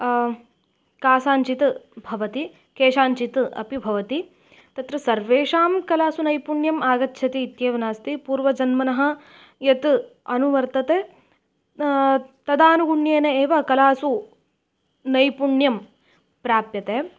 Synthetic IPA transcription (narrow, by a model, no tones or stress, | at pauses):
kaːsaːɲt͡ʃit̪bʱɐʋɐt̪i | keːʃaːɲt͡ʃit̪ɐ̰pibʱɐʋɐt̪i | t̪ɐt̪ɾɐsɐɾʋeːʂaːmkɐlaːsunɐjpuɳjɐmaːɡɐtːʃʰɐt̪iːt̪jeːʋɐnaːst̪ipuːɾʋɐd͡ʒɐnmɐnɐɦɐ̆ | jɐt̪ɐnuʋɐɾt̪ɐt̪e | t̪ɐd̪aːnuɡuɳjeːnɐeːʋɐkɐlaːsu | nɐjpuɳjɐm | pɾaːpjɐt̪eː